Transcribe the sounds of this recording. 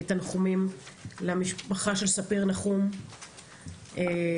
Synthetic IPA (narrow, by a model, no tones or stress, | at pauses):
t̪anχumimlamiʃpaχaʃelsapiʁnaχum | ʔe